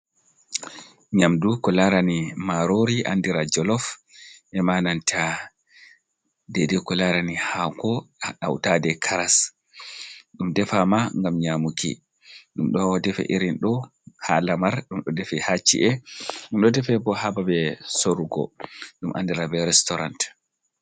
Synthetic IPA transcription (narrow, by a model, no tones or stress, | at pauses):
ɲamdukɔlaɾanimaɾoɾiʔa̰ndiɾad͡ʒɔlɔfʔɛmanantʰa | dɛdɛkɔlaɾanihakɔɗawtadɛkʰaɾas | ɗumdɛfamaŋɡamɲamukḭ | ɗumɗɔdɛfɛ̰ʔiɾinɗɔ | halamaɾɗumɗɔdɛfɛhat͡ʃːḭʔɛɗumɗɔdɛfɛbɔhababɛsoɾuɡɔ̰ɗumʔa̰ndiɾabɛɾɛstɔɾa̰nt